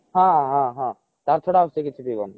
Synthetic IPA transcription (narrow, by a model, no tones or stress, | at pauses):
ɦãɦãɦã | t̪aɾt̪ʰoɽasekit͡ʃʰibiɡɔ̰n